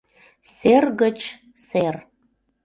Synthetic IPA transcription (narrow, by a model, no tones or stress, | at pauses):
serɣət͡ɕ | ser